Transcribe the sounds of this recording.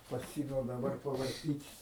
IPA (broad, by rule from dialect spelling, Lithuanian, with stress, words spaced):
pɐˈsʲɪmʲɛʊ dɐˈbɐr pɐʋɐrʲˈtʲiːtʲ